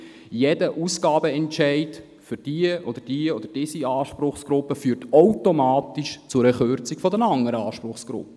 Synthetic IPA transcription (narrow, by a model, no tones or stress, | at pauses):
jɛd̥əʔusɡɑːbəɛntt͡ʃɛɪt | fʏɾd̥iəʔɔd̥̪əd̥iəɔd̪əɾd̥ɪsiɑːʃpɾʊχsɡ̥ɾʊpːəfyːɾtowtomɑːtiʃt͡sʊɾɛχøɾt͡sikfɔd̪ənɑŋːəɾəɑːʃpɾʊχsɡ̥ɾʊ̰p̚ːə